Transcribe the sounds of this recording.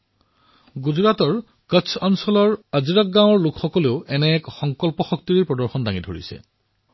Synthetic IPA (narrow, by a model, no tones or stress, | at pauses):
ɡuzɹatɔɹ | kəsʰɔnsɔlɔɹaziɹak̚ɡãw̃ɔɹlʊkʰxɔkɔleʊɛnɛːkxɔŋkɔlpɔxɔk̚tiɹipɹɔdɔɹxɔndaŋidʱo̰ɹḭsɛ̰